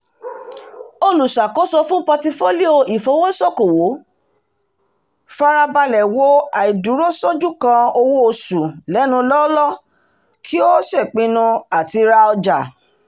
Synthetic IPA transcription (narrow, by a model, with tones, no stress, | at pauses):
o˦lu˨ʃa˨kɔ˨˦sɔ˧fũ˦pɔ˧ti˧fo˦li˦o˧i˨fo˨˦wo˦sɔ˦˨ko˨wo˨˦ | fa˧ɾa˧ba˧lɛ˨wo˦a˨i˨du˨˦ɾo˦sɔ˦d͡ʒũ˦kã˧o˧wo˦o˧sũ˨lɛ˨˦nũ˧lɔ˦lɔ˦ | kʰi˦o˦sɛ˦˨k͡pĩ˧˦nũ˧a˨ti˧ɾa˧ɔ˧d͡ʒa˨